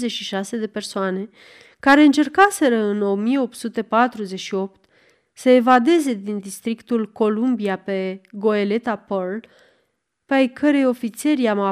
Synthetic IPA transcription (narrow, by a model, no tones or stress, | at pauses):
zeʃiʃase̞d̪e̞pe̞rsoane̞ | kaɾe̞ɨnt͡ʃe̞rkase̞ɾəɨno̞mije̞o̞p̚t̪sut̪e̞pat̪ɾuze̞ʃio̞pt̪ | səe̞vad̪e̞ze̞d̪ind̪ist̪ɾikt̪ulko̞lumbiape̞ɡo̞e̞le̞t̪apərl | peajkʰəɾejo̞fit̪se̞ɾiama